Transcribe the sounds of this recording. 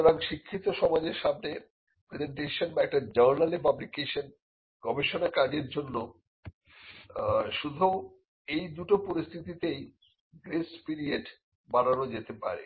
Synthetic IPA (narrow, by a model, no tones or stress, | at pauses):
ɾaɡʃikʰːit̪oʃɔmad͡ʑeɾʃamne | pɾed͡ʑeɳʈeʃonbaɛk̚ʈad͡ʑəɾnalepablikeʃon | ɡ̥ɔbeʃonakad͡ʑeɾd͡ʑonːo | ʃud̪ʱu | ejd̪uʈopoɾist̪ʰit̪it̪ej | ɡɾespiɾieɖ | baɽanod͡ʑet̪epa̰ɾḛ